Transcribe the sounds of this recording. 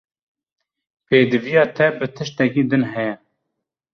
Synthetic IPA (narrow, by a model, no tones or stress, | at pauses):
peːd̪ɨvijɑːt̪ʰɛbɨt̪ʰɨʃt̪ɛkiːd̪ɨnɦɛjɛ